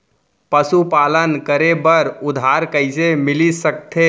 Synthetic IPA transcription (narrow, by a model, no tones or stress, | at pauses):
pəsupalənkəɾebəɾʊd̪ʱɦaɾkəɪsemɪlisək̚t̪ʰe